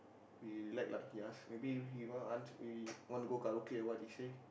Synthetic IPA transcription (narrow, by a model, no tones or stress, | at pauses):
wilaɪk̚la̰kiasmebiɦiwɔ̃ʔãnswiwɔ̃ntuɡokaɹokiɛwɔt̚ise